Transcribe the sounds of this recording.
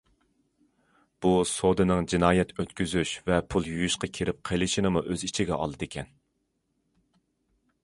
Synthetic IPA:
b̥usod̪ɨnɨŋd͡ʒinɑːjɛt̪ʰøt̪kʲyzyʃvɛpʰulˠjyjuʃqɑkʲʰeɾɪp̚qʰəlˠɪʃinɨmuʔøzit͡ʃʰiɡʲɛ̰ɑ̰lˠɨd̪ekʲʰɛn

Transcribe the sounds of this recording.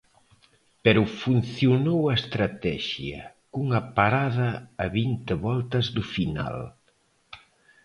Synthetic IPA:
pɛɾufun̟θjunowɐest̪ɾat̪ɛʃjɐ̰ | kuŋɐpaɾaðɐːβint̪eβɔlt̪ɐzðufina̰l

